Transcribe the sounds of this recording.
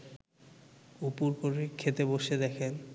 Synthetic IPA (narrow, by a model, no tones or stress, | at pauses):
upuɾpoɾekʰet̪eboʃed̪ɛkʰen